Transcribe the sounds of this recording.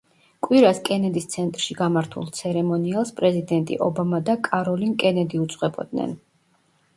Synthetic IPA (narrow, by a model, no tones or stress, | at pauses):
kʼwiɾaskʼɛnɛd̪ist̪sʰɛnt̪ʼɾʃiɡamaɾt̪ʰṵlˠt̪sʰɛɾɛmɔnialˠspʼɾɛzid̪ɛnt̪ʼḭʔɔbamad̪akʼaɾɔlinkʼɛnɛd̪iut̪sʼqwɛbɔ̰d̪̚nɛ̰n